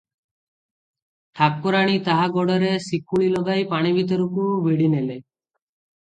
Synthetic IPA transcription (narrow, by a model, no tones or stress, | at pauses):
ʈʰak̚ːuɾaɽ̃it̪aɦaɡɔɽɔɾesikuɭilɔɡajpaɽ̃ibʱit̪̬ɔɾukubʱeɽinele